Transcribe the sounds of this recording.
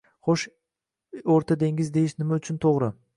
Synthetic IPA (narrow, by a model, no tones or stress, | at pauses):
χoʃ | oɾt̪ʰad̪eŋɪzd̪e̞jɪʃnɪmaʊt͡ʃʰʊnt̪ʰoʁɾɪ